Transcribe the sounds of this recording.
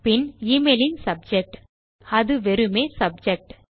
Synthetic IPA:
pɪniːmeːlɪnsɐb̚d͡ʒɛk̚ʈ | ɐðɯʋɛɾɯmeːsɐb̚d͡ʒɛk̚ʈ

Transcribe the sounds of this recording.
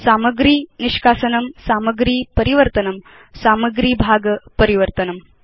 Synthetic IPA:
saːmɐɡɾiːniʃkaːsɐnɐmsaːmɐɡɾiːpɐɾiʋɐɾt̪ɐnɐm | saːmɐɡɾiːbʱaːɡɐpɐɾiʋɐɾt̪ɐnɐm

